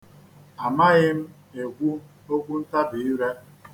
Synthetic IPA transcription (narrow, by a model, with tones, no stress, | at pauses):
a˨ma˦ɣɪ˦m̩˦ | e˨ɡʷu˦ | o˦ɡʷu˦n̩˦ta˦bi˨ɪ˦ɾe˦